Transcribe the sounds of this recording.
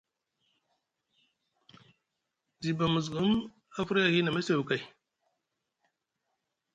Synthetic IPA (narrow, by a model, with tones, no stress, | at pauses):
zi˨ba˨mu˨zɡu˦m | a˦fu˦ɾa˦˨ɣi˦na˨ma˦sa˨wu˨ka˨